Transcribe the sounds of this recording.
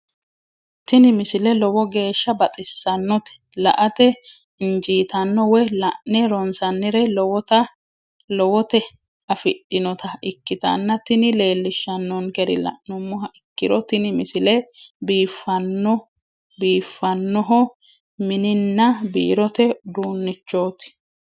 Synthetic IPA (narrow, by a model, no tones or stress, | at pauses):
t̪ɪnɪmɪsɪlɛlɔwɔɡe̞ːʃːɐbɐt͡sʼɪsːɐnːɔt̪ɛ̥lɐ̰ʔɐt̪ɛ | ɪnd͡ʒiːt̪ɐnːɔwɛlɐʔnɛɾɔnsɐnːɪɾɛlɔwɔt̪ɐ | lɔwɔt̪ɛ | ɐfɪɗːɪnɔt̪ɐɪkːɪt̪ɐ̰nːɐt̪ɪnɪle̞ːlːɪʃːɐnːɔnkɛɾɪ̰lɐ̰ʔnʊmːɔhɐʔɪkːɪɾɔt̪ɪnɪmɪsɪlɛbiːfːɐnːɔ | biːfːɐnːɔɦɔ | mɪnɪnːɐbḭːɾɔt̪ɛd̪uːnːɪt͡ʃːo̞ːt̪ɪ̥